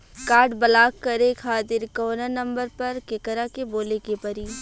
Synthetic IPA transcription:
kaːɾɖbɐlaːkːɐɾekʰaːt̪ɪɾkɔːnanɐ̃mbəɾpɐɾkekəɾakeboːlekepɐɾiː

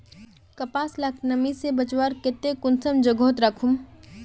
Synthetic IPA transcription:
kɐpaːslaknɐmisebɐt͡ʃwaːɾkɪt̪ːekʊnsəmd͡ʒɐɡoːt̪ɾɐkʰum

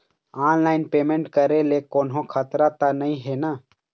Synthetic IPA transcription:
aːnlaːɪnpeːmẽɳʈkəɾelekoːnɦõkʰaːt̪ɾat̪anəĩɦenaː

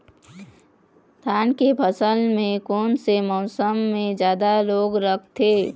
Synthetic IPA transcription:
t̪ʰaːnkepʰəsəlmẽkoːnsemɔːsəmːẽd͡ʒjaːd̪aloːɡɾəkʰt̪ʰeː

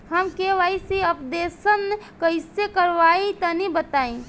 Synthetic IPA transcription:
ɦəmkeʋaːisiəpd̪eːsənkəɪsekəɾʋaːĩt̪ənibət̪aːẽ

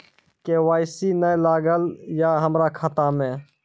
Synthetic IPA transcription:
kewaːɪsinəjlaːɡəljaɦəmɾakʰat̪amẽ

